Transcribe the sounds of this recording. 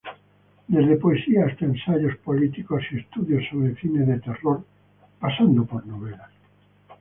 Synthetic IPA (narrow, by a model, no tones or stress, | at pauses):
d̪ezðepoesiaest̪aensaʎospolit̪ikosiest̪uðjosːoβɾefinezðet̪eroɾ | pasand̪opoɾnoβ̞elas